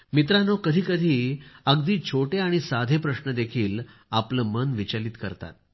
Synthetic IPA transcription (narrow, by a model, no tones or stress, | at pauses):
mit̪̬ɾanɔkəd̪ʱiːkəd̪ʱiːəɡd̪iːt͡ɕʰoʈeaɽ̃isad̪ʱepɾəɕnəd̪ekʰiːlapləːmənʋit͡ɕaliːt̪kə̰ɾt̪a̰t̪̚